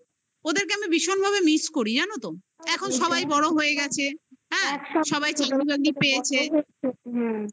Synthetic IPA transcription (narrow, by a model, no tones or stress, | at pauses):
od̪eɾk̬eamibiʃonbʱabemiskoɾid͡ʑanot̪o | ɛkʰonʃɔbajbɔɽoɦojeɡɛt͡ɕʰeɦɛ̃ʃɔbajt͡ɕʰakɾibaɡ̚d̪ipejet͡ɕʰe